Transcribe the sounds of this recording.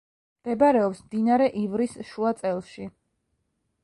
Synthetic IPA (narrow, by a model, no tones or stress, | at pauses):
md̪̥ɛbaɾɛɔpsmd̪inaɾɛʔivɾisʃuat̪sʼɛlˠʃi